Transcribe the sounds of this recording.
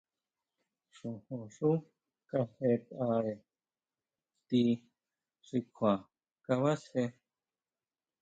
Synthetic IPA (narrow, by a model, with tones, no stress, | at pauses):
ʂu˨hu˨ʂu˦ | ka˧he˧t̪a˧ɾe˨ | t̪i˧ | ʐi˧kʰʷa˨ | ka˧βa˦she˧